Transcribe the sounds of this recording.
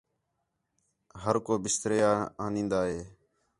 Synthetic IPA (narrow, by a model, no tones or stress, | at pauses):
ɦəɾkoːbɪst̪ɾeːaːaːnĩːnd̪aːɦeː